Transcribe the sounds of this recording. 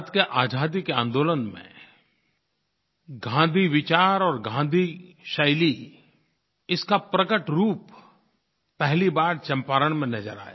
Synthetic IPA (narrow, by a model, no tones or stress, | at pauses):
t̪keʔaːd͡ʒaːd̪ikeã̰ːnd̪oːlənmḛ̃ | ɡʱãːnd̪ʱiʋɪt͡ʃaːɾɔːɾɡʱãːnd̪ʱiʃɐɪli | ɪskapɾəkəʈɾuːpː | ɛɦlibaːɾt͡ʃɐ̃mpaːɾəɽ̃mẽnɐd͡ʒəɾa̰ːja̰